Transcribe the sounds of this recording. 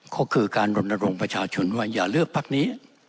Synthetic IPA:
kʰɔː˦˥˩kʰɯː˧kaː˧nɾo˧nːa˧ɾo˧ŋpɾa˧t͡ɕʰaː˧t͡ɕʰo˧nwaː˥˧˩jaː˨˩lɯ˥˩ək̚pʰa˦˥˩k̚niː˦˥

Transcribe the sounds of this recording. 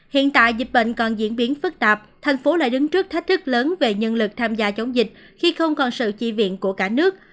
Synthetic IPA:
hḭ˧˨ənt̪a̰ː˧˨jzi˨˩t̚ɓə̰˧˨jŋ̟kɔ˨˩nzḭ˧˥ənɓi˨˦ənfɨ˦˥k̚t̪aː˨˩p̚t̪ʰa˨˩jŋ̟fo˨˦la̰ː˧˨jɗɨ˨˦ŋt͡ɕɨ˦˥k̚t̪ʰa˦˥k̟̚t̪ʰɨ˦˥k̚ləː˨˦nve˨˩ɲə˧nlɨ˨˩k̚t̪ʰaː˧mzaː˧t͡ɕə˨˦wŋ͡mzï˨˩k̟̚ | xi˧xə˧wŋ͡mkɔ˨˩nsɨ̰˧˨t͡ɕḭ˧˩vḭ˧˨ənku˧˩əkaː˧˩nɨ˦˥ək̚

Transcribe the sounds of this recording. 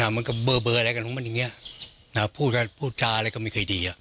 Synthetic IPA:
naː˧˩ma˧˨nka˧˩bɤː˧bɤː˧ʔa˧ɾa˧˦jka˧˨nkɔ˨˦ma˧˥˨ja˨ŋi˧˥ɐ | na˧pʰuː˥˩ka˧˩pʰuː˥˩t͡ɕaː˧aː˧˦kɔː˥˩ma˥˩jkʰɤː˧˩diː˨˧a˨˧˩

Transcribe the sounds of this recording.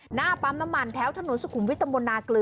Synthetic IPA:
naː˥˩pa˦˥mna˦˥mːa˧nt̪ʰɛː˦˥wt̪ʰa˧nu˨˩˦nsu˧kʰu˩˦mwi˦˥t̪ːa˧bo˧nːaː˧klɯː˧

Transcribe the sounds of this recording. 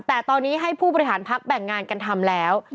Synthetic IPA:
t̪ɛː˨˩t̪ɔː˧nːiː˦˥ɦa˥˩jpʰuː˥˩bɔ˧ɾi˦˥ɦaː˩˦npʰa˦˥k̚bɛ˨˩ŋːaː˧nka˧nt̪ʰa˧mlɛː˦˥w

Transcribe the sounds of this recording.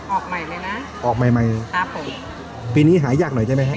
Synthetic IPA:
ʔɔː˨˩k̚ma˨˧˩jma˦˧˥jna˦˥ | ʔɔː˨˩k̚ma˨˧˩jma˧jkʰa˧˥pʰːo˨˩˦m | piː˧niː˦˥ɦaː˩˦jaː˨˩k̚no˨˩˦jt͡ɕaː˥˩ma˥kʰa˧˥

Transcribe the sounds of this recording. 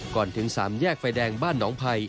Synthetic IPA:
kɔː˨˩nt̪ʰɯ˩˦ŋsaː˩˦mjɛː˥˩k̚fa˧jdɛː˧ŋbaː˥˩nːɔː˩˦ŋpʰa˧j

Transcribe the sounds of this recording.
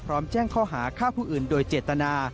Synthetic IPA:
pʰɾɔː˦˥mt͡ɕɛː˥˩ŋkʰɔː˥˩ɦaː˩˦kʰaː˥˩pʰuː˥˩ʔɯː˨˩ndoː˧jt͡ɕeː˨˩t̪ːa˧naː˧

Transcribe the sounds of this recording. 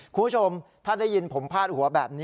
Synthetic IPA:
kʰu˧mbʰu˥˩o˧mt̪ʰaː˥˩daː˥˩ji˧npʰo˩˦mpʰaː˥˩t̪̚hu˩˦ɐbɛː˨˩p̚niː˦˥

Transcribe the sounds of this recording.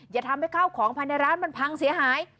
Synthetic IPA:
jaː˨˩t̪ʰa˧mha˥˩jkʰaː˥˩wkʰɔː˩˦ŋpʰa˧jna˧jɾaː˦˥nma˧npʰa˧ŋsi˩˦ɐɦaː˩˦j

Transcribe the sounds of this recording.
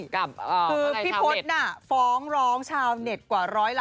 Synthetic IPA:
kʰɯː˧i˦˥pʰo˦˥t̪̚na˥˩fɔː˦˥ŋɾɔː˦˥ŋt͡ɕʰaː˧wne˨˩t̪̚kwaː˨˩ɾɔː˦˥jla˥

